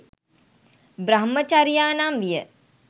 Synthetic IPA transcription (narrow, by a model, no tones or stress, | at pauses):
bɾɐɦmət͡ʃaɾijaːnamʋijə